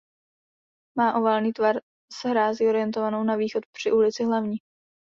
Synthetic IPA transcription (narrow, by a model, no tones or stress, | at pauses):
maːʔo̞valniːt̪vaɾ | sɦɾaːziːo̞ɾɪjɛnt̪ovano̞wnaviːxo̞t̪̚pr̝̥ɪʔulɪt͡sɪɦlavɲiː